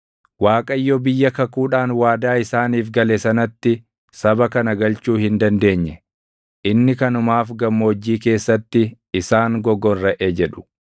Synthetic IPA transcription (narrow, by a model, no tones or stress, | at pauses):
waːkʼɐjːɔbɪjːɐkɐkuːᶑaːnwaːd̪aːɪsaːniːfɡɐlɛsɐnɐt̪ːɪ | sɐbɐkɐnɐɡɐlt͡ʃuːhɪnd̪ɐnd̪e̞ːɲːɛ | ʔɪnːɪkɐnʊmaːfɡɐmːo̞ːd͡ʒːiːke̞ːsːɐt̪ːɪ | ɪsaːŋɡɔɡɔnɾɐʔeːd͡ʒɛᶑʊ̥